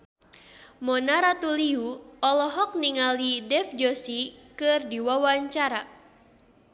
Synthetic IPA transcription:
mɔnaɾat̪uliuɔlɔɦɔk̚niŋalidɛfd͡ʒɔsikɨrdiwawaɲt͡ʃaɾa

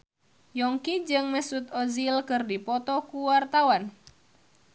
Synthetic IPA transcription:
jɔŋkid͡ʒɨŋməsut̪ɔzilkɨrdipɔt̪ɔkuwart̪awan

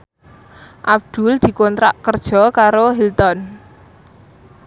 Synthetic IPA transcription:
ʔab̚d̪̥ṳld̪̥i̤kɔnt̪ɾaʔkərd̥ʒ̥ɔ̤kaɾoɦilt̪ɔn

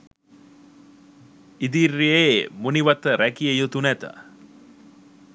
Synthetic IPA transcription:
id̪irːijemuniʋɐt̪əɾækiejut̪unæt̪ə̰

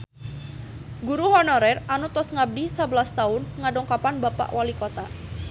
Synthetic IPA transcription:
ɡuɾuhɔnɔɾɛranut̪ɔsŋab̚disabəlast̪aʊnŋadɔŋkapanbapa̰ʔwalikot̪a

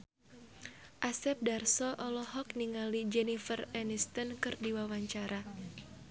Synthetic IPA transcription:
ʔasɛp̚darsɔʔɔlɔɦɔk̚niŋalid͡ʒɛnifərɛnist̪ɔnkɨrdiwawaɲt͡ʃaɾa

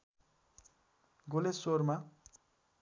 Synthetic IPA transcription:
ɡolesoɾma

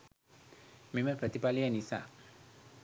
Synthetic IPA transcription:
meməpʰɾat̪ipalianisa̰

